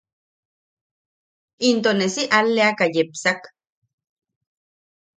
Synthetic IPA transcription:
int̪onesiʔalːeakajepsak

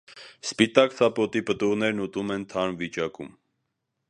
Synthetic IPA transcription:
spit̪ɑkt͡sʰɑpɔt̪ipət̪uʁnɛɾnut̪umɛnt̪ʰɑnvit͡ʃɑkṵm

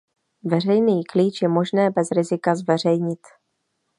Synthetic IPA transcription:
vɛr̝ɛjniːkliːt͡ʃjɛmo̞ʒnɛːbɛzɾɪzɪkazvɛr̝ɛjɲɪt̪

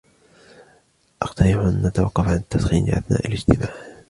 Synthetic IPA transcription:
ʔɑqt̪ɑɾɪħʔanʔat̪awɑqːɑfʕant̪ːasxiːnʔa̰θna̰ːʔalɪd͡ʒt̪ɪmaːħ

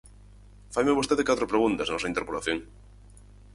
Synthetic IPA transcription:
fajmeβost̪eðekat̪ɾopɾeɣunt̪asnɔsɐint̪eɾpolaθjoŋ

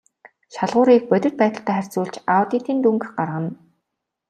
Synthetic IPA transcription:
ʃaɮʁʊːɾiːk̚pœt̪ʲɪ̆rt̪̚pæːt̪ə̆ɬt̪ʰæːχær̥ʲt͡suːɮt͡ɕawt̪it̪iːnt̪uŋkxɢarʁə̆n

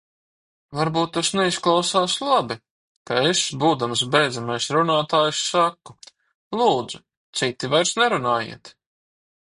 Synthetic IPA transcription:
vaɾbuːt̪̚ːasnɛisklˠɑwsaːslˠabi | kaesbuːd̪ams̬bʲɛjd̪zamajsɾunaːt̪aːjsːakːu | lˠuːd̪z̥u | t̪sit̪ːivajɾsnɛɾunaːjḭɛt̪

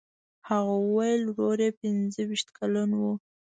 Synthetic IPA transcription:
haɣowəwajlɾoɾepɪnzəwiʃt̪kalanwu

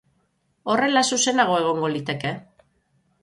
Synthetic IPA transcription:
o̞re̞lasuse̞naɣ̞o̞e̞ɣ̞o̞ŋɡo̞lit̪e̞ke̞

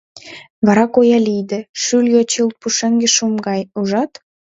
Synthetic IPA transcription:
βɑɾɑkojɑlijd̪ĕʃyljot͡ɕilt̪̚puʃĕŋɡĕʃumɡɑjuʒɑt̪

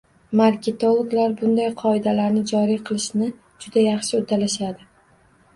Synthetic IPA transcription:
maɾkʲet̪olˠoɡlaɾbʊnd̪ajqʰɒɪd̪alaɾnɪd͡ʒɒɾijqʰɨlˠɪʃnɪ | d͡ʒʊd̪ajɑχʃɪʊd̪alaʃad̪ɪ

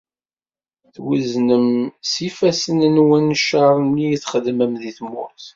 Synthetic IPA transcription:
θwiznəmsifæsənənwənːʃəɾˤijiθχəd̪məmðiθmʊθ

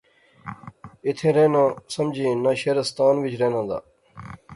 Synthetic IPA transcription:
ɪt̪ʰẽːɾẽːnãːsəmd͡ʒʱĩːnãʃeːɾəst̪aːnʋɪt͡ʃʰɾeːnãːnd̪a̰ː

